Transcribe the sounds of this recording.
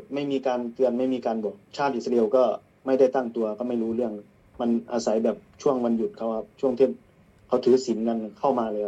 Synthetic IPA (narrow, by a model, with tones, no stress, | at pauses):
ma˥˩jmiː˧kaː˧nt̪ɯ˧ənma˥˩jmiː˧kaː˧nbɔː˨˩t͡ɕʰaː˥˩ʔi˨˩sa˧li˧wkɔː˥˩ | ma˥˩jda˥˩jt̪a˥˩ŋt̪u˧ɐkɔː˥˩ma˥˩jɾuː˦˥lɯ˥˩əŋ | ma˧nʔa̰ː˧sa˩˦jbɛː˨˩p̚t͡ɕʰu˥˩əŋwa˧nju˨˩t̪̚kʰa˧˩wha˧˩p̚t͡ɕʰu˥˩əŋt̪ʰeː˥˩t̚ | kʰa˨˦wt̪ʰɯː˨˦si˨˩˦nka˧nkʰa˥˩wmaː˧lɛː˧˥˩